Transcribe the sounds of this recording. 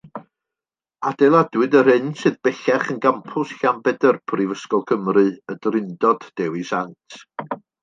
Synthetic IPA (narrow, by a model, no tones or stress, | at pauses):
adɛlˠadwɨdəɾɨnsɨðb̥ɛɬɛχənɡampʰʊsɬambɛdərpʰrivəskɔlˠkʰəmrɨədrɪndɔd̥ːɛwisantʰ